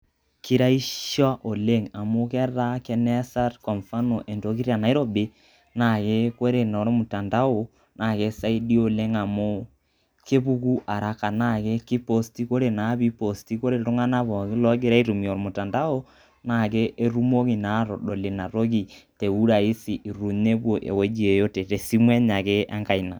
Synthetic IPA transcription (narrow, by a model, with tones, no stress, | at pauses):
ki˦ɾa˦i˦ʃɔ˦ʔo˨le˦ŋa˨mʊ˦kɛ˦ɾa˦kɛ˦nɛ˦sa˦tkɔ˨ɱfa˦no˨ʔe˨ndo˨˦ki˦ɾja˨na˨˦i˦ɾo˨be˦ | na˨ke˦ko˦ɾe˨nɔ˨ɾmʊ˨ta˨nda˦o˨ | nʔa˨ke˦sa˦i˦di˦o˨le˦ŋa˨mʊ˦ | ke˦βu˦ku˦ʔa˨ɾa˨ka˨na˦˨ke˦ki˦po˦sti˦ko˦ɾe˨na˨˦βi˦po˨sti˦ko˦ɾe˦˨ɾo˦ŋa˦na˦βɔ˨kɪ˦lɔ˦ɡe˦ɾa˦i˦ɾu˨mi˨o˨ɾɔ˨mo˨ta˨nda˦o˦ | na˨ke˦ʔːɾu˦mo˦ɣi˨na˨˦ɾɔ˨ɗo˨le˨na˨ɾo˦ɣi˨te˨u˦ɾa˨i˦si˨ʔi˨ɾu˨ɲe˦βwo˨ʔḛ˨we˦d͡ʒi˦e˨jo˦te˨te˨si˦mwɛ˦ɲa˨ke˦ʔa˦ŋka˨i˨na˨